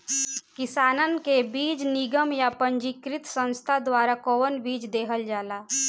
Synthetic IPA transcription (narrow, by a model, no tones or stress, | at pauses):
kɪsaːnənkebiːd͡ʒniɡəmjapəɲd͡ʒikɾɪt̪sə̃nst̪ʰad̪waːɾakoːənbiːd͡ʒd̪eːɦəld͡ʒaːlaː